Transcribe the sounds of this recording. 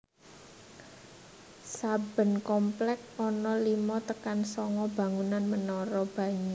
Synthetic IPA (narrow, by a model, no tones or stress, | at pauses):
sab̥ə̤nkɔmplɛk̚ɔnɔlimɔt̪əkansɔŋɔb̥a̤ŋunanmənɔɾɔb̥a̤ɲa